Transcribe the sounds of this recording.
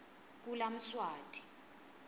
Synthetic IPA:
k̬ʼulam̩swaːtʼi̥

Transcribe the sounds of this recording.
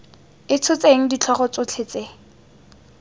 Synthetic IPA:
ɪt͡sʰʊt͡sʼeŋ̩dit͡ɬʰɔχɔt͡sʊt͡ɬʰet͡se

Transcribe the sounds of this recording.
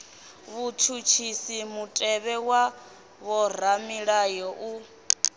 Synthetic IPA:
βutʰut͡ʃʰisimutʼɛβɛwa | βɔɾ̤amiɺajɔʔu

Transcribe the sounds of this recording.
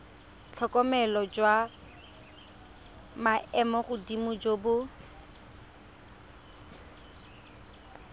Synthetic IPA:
t͡ɬʰɔkʼɔmɛlɔd͡ʒwa | maʔɛmɔɣʊdimʊd͡ʒoːbʊ

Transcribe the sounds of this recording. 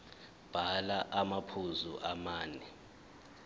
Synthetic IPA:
b̥ʱalaʔamapʰuzṵʔamaːnɛ

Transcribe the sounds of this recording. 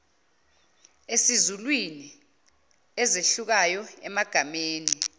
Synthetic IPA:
esizulwini | ɛzeɬuk̬ajɔɛmaɡ̥ʱameːni

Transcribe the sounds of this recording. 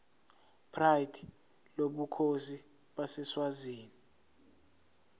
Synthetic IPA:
pʰrajdʰi | loɓukʰosi | ɓasɛswaziːni

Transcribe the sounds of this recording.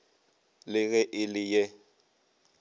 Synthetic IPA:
lɪɣɛʔɪlɪjɛ

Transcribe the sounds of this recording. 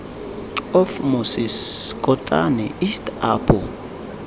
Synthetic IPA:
ɔfmusiskʼɔtʼa̰nɛʔistaːpʰʼɔ

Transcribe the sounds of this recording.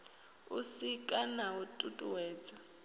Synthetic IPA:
usikʼanautʼutʼuwɛːt͡sʼa

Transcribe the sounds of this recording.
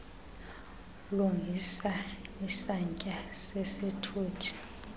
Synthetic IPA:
luŋɡʱisaisaɲcʼasesitʰuːtʰi̥

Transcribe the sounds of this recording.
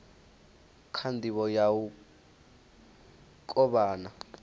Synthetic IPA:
kʰandiβɔjawu | kʼɔɓaːna

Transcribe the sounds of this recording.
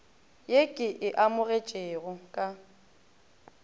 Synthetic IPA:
jekʼɪʔɪʔamʊɣet͡ʃʼeːɣʊkʼa

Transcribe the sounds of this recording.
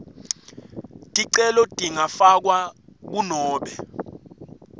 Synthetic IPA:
tʼiǀɛlɔtʼiŋafak̬wak̬unɔːɓɛ

